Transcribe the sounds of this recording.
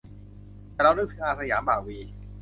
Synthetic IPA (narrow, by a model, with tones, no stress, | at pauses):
t̪ɛː˨˩ɾa˧wnaː˧˥˩t̪ʰɯ˨˦ʔaː˧˩sa˧jaː˩˦mbaː˨˩wiː˧